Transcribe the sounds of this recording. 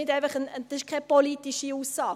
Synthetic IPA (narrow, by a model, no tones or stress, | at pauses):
ɪtæɪfɐχənəd̥̪ɑsɪʃkʰɛpolitiʃiuːsːɑː